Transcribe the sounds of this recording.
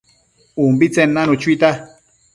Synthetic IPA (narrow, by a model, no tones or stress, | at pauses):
umbit͡senːanut͡ʃuit̪a